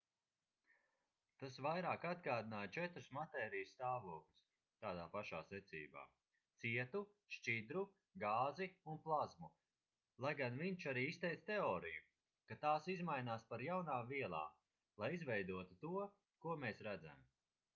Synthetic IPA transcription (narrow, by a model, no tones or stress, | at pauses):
t̪asvajɾaːkad̪ɡaːd̪inaːjt͡ʃɛt̪ɾusmat̪ɛːɾijst̪aːvuɔklu̥s | t̪aːd̪aːpaʃaːsɛt̪sḭːba̰ː | t̪siɛt̪u | ʃt͡ʃid̪ɾu | ɡaːziunplˠazmu | lˠajɡanviɲt͡ʃaɾiːist̪ɛjt̪st̪eɔːɾiju | kat̪aːsizmajnaːspaɾjawnaːviɛlˠa̰ː | lˠajizvɛjd̪uɔt̪ut̪uɔ | kuɔmeːsɾad̪za̰m